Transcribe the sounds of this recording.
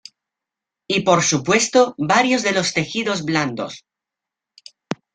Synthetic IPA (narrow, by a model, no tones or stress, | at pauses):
ipo̞ɾsupwe̞st̪oβaɾjo̞zðe̞lo̞st̪e̞xiðo̞zβland̪o̞̰s